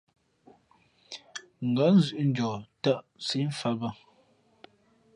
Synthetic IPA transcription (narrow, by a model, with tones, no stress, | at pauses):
ŋ̩˨ɡə˨˦n̩˦zʉ˨ʔn̩˦d͡ʒɔ˨tə˦ʔ | si˦ɱ˦fa˦bə˦